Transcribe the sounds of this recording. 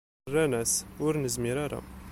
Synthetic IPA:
rːænæsʊɾnəzmiɾaɾa̰

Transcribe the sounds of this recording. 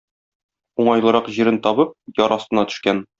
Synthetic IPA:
uɴɑjlˠɤ̆ɾɑqʑiɾɘnt̪ɒbɤp̚jɒɾʔɒst̪ɤ̆nɑt̪ɵ̥̆ʃkæn

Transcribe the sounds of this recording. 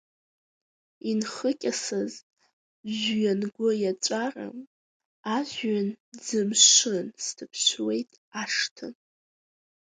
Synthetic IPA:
inχəkʲʼasɨz | ʒɥanɡʷʊjat͡ʃʷʼara̰m | aʒɥand͡zɨmʃʷɨnstʰɨpʰɕʷwe̞jtʼ | aʂtʰɨ̰n

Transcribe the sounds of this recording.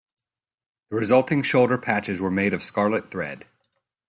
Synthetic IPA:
ðəɹɪzʌlˠtʰɪ̃ŋʃoʊlˠdə˞pʰæt͡ʃɪzwə˞meɪɾʌv̥skɑɹlˠət̪̚θɹɛ̰d̥

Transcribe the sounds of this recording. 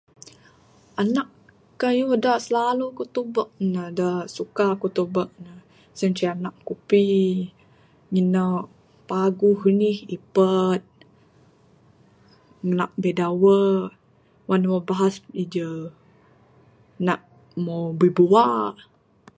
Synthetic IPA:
anaʔ | kajuədaʔsəlalukut̪ubəʔ̚nədəsukakut̪ubəʔ̚nə | sənt͡ʃianaʔkupi | ŋinə | paɡuɡənihipət̪̚ | ŋənaʔ̚bedawə | wanwabaɦasid͡ʒə | naʔ | mobəbuwaʔ

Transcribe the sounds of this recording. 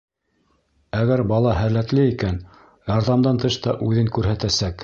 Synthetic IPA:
æɡæɾbɑlˠɑɦæɾlːæt̪lɘikæn | jɑɾðɑmd̪ɑnt̪ɤʃt̪ɑʔʉðɘŋkʉɾɦæt̪æsæk

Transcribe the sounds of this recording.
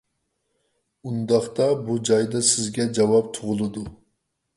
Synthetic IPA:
und̪ɑχt̪ɑbud͡ʒɑjd̪ɑsɪzɡʲɛd͡ʒɑwɑp̚t̪ʰʊʁʊlˠɨd̪u

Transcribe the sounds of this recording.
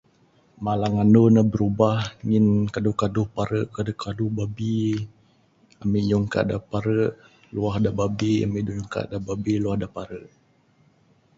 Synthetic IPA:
malaŋanonabəɾubahŋinkadukaduhpaɾəʔkadukʰaduhbabi | amiʔjɔŋka̰ʔdapaɾəʔ | luahdababia̰miʔdujuŋka̰ʔdababiluahdapaɾəʔ

